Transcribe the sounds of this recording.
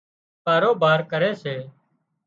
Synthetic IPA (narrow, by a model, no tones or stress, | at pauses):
kaːɾoːbaːɾkəɾeːseː